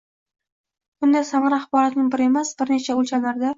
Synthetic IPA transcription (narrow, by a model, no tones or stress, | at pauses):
b̥ʊnd̪asamɪɾaχbɒɾat̪nɪŋbɪɾɪe̞masbɪɾne̞t͡ʃʰaolt͡ʃʰanaɾd̪a